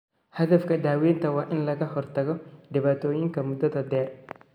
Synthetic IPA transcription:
hɐðɐfkʰɐd̪aːwɛːnt̪ʰɐwɑːʔɪnlɐɣɐɦɔrt̪ʰɐɣɔɖ̪ɪβaːt̪ʰɔːjɪŋkʰɐmʊd̪ːɐðɐd̪ɛːr

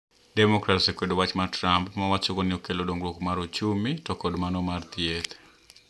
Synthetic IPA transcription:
dɛmɔkɾatsekwedowat͡ʃmatɾampmawat͡ʃokɔnɪɔkelodoŋɡɾokmaɾot͡ʃumitɔkɔdmanɔmart̪jet̪

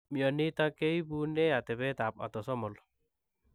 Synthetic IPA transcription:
miɔnit̪akejbuneat̪ebet̪ap̚a̰t̪ɔsɔmɔl

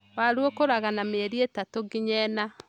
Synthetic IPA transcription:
waɾwokoɾaɣanameɾietatoɡiɲɛna

